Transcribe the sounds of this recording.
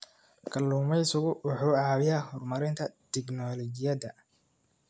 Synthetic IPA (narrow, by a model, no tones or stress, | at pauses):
kʰɐlːuːmɛjsʊɣʊwɑħuːʕɑːwɪjahɔrmɐɾɪnt̪ʰɐt̪ʰɛɡnɔlɔt͡ʃɪjɐd̪ɐ